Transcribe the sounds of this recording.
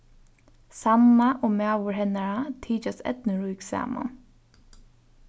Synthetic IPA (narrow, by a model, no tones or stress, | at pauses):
samaʔɔmæːʋʊɹɦɛnaɹat̪ʰiːt͡ʃasɛ̰t̪nəɹujksa̰ːma̰n